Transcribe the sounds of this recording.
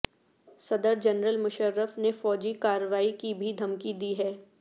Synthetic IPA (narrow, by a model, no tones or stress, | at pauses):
sɐd̪əɾd͡ʒɐnɾəlmʊʃəɾːəfnefɔːd͡ʒikaːɾəʋaːikibʱid̪ʱɐmkid̪iɦɛː